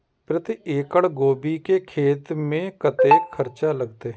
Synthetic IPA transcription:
pɾət̪ɪeːkəɽɡoːbiːkeːkʰeːt̪mẽːkət̪eːkʰəɾt͡ʃaːləɡt̪eː

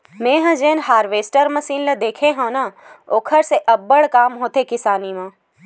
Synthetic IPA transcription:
mẽːɦə̃d͡ʒeːnɦaːɾʋeːsʈəɾmɐsiːnlɐd̪eːkʰeɦõːnaoːkʰəɾseʔɐbːəɽkaːmɦoːt̪ekɪsaːnimãː

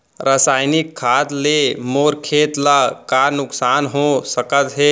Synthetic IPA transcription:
ɾəsaːjnɪkʰːaːt̪leːmoːɾkʰeːt̪lakaːɾnʊksaːnɦosəkət̪ɦe

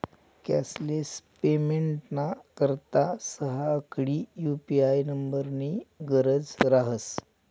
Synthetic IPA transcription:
kɛ̰slespemeɳʈnakəɾt̪asəɦaəkɽiːjupiajnəmbəɾniːɡəɾəd͡zɾaɦəs

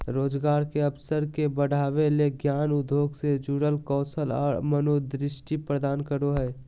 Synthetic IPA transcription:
ɾoːd͡ʒɡaːɾkeɐpsəɾkebəɽ̤ʱaːʋeleɡjaːnʊd̪ʱoːɡsed͡ʒuɽəlkɔːsəlɔ̰ːɾmənod̪ɾɪʃʈipɾəd̪aːnkəɾoɦɛː

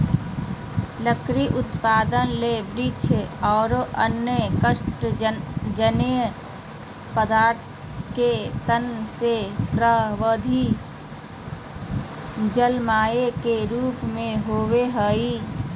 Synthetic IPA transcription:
ləkɾiʔut̪pad̪ənlebɾit͡ʃʰɔʊɾʔənːəkəʃʈ | d͡ʒənj | pəd̪aɾt̪ʰ | ket̪ənsepɾəɦʋəd̪ʱi | d͡ʒəlmaekeɾupmeɦoʋeɦəji

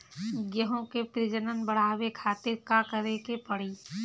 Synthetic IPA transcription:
ɡjəɦõkepɾɪd͡ʒənənbəɽ̤aːwekʰaːt̪ɪɾkakəɾekepəɽ̤iː

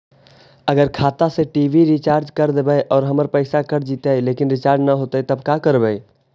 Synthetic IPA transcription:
ɐɡəɾkʰaːt̪aseʈiːʋiɾit͡ʃaːɾd͡ʒkɐɾd̪ebəeʔɔːɾɦɐməɾpɛɪsakɐɾd͡ʒiːt̪aɦeleːkɪnɾɪt͡ʃaːɾd͡ʒnaɦoːt̪eɛt̪ɐbkakəɾbəe

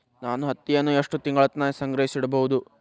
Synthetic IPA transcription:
naːnuɦɐt̪ːijɐnːueʂʈut̪iŋɡɐɭɐt̪naːisɐŋɡɾɐɦisiɽɐbɐʋud̪u

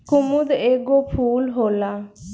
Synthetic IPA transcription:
kʊmʊd̪eːɡoːpʰuːlɦoːlaː

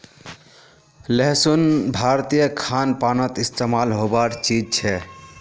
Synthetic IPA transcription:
leɦsunbʱaɾt̪ijəkʰanpanət̪ist̪emalɦobaʈt͡ʃid͡ʒt͡ʃʰɛ

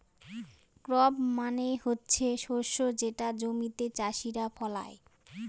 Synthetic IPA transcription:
kɾɔbmanehotːɕʰeʃoʃod͡ʑeʈad͡ʑomit̪et͡ɕaʃiɾafɔla̰e

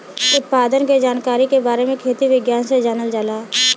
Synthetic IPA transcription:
ʊt̪̚paːd̪ənked͡ʒaːnkaːɾikebaːɾemẽkʰeːt̪iʋɪɡjaːnsed͡ʒaːnəld͡ʒalaː

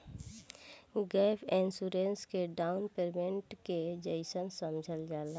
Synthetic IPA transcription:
ɡɛːpʰẽnsuɾẽnskeɖaːʊnpeɾmẽɳʈked͡ʒəɪsənsəmd͡ʒʱəld͡ʒaːla

